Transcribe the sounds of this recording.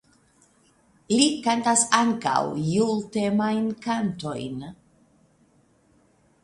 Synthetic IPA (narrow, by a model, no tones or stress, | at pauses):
likantasaŋka̰wjulte̞majnkanto̞̰jn